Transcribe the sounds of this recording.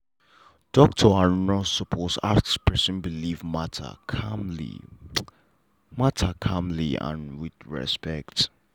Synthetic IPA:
d̥ɔk̚tʰɔanɔ̃sɔpʰosa̰spʰɛsə̃nbilivmatʰ | ḭ | matʰakʰãmliã̰nwidɹɛ̰spɛkt

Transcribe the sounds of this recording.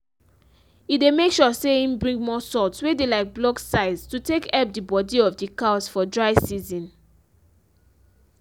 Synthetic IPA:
idemekʃɔsehĩmbɹĩŋɡmɔsɔtswedelaɪk̚blɔksaɪztutekɛp̚dibɔdiɔfdikaʊsfɔdɹaɪsizɔ̃n

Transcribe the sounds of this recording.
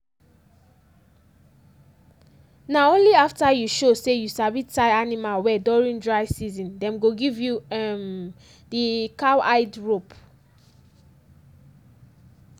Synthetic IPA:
naõnliaftajuʃosejusabitaɪanimalwɛdɔɹĩndɹaɪsizɔ̃ndɛ̃mɡoɡivjuɛm | dikawaɪdɹop

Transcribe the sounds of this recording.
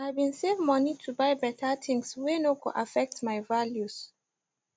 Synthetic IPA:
abĩnsevmɔnitʰubajbɛtʰatʰɪ̃ŋswɛnokoʔafɛk̚tmaɪvaljus

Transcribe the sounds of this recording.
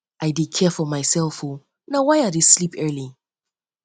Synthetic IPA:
ʔaɪdɪkʰɛfɔmaɪsɛlˠfho | nawaɪadeslipɜ˞li

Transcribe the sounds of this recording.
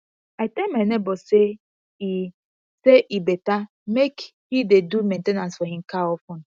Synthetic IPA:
aɪtɛmenebɔse | i | seʔibeta | mekhidedumẽntenãnsfɔɦim̩kaɔfʊnʊ

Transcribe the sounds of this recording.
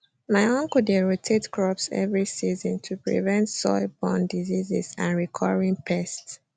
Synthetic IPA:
maɪɔ̃ŋkudeɹotʰetkʰɹɔpsɛ̰vɹisizɔ̃ntʰupɹḭvɛ̃ntsɔ̰ɪbɔ̃ndizizḭsã̰nɹikʰɔɹĩŋpʰɛsts

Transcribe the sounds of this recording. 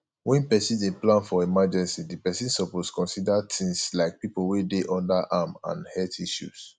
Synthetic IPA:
wɛ̃npɛsidẽplãnfɔimad͡ʒɛ̃nsidipɛsĩnsɔposkɔ̃nsidatĩŋslaɪk̚pipowedeʔɔ̃ndaʔamã̰nhɛtiʃṵs

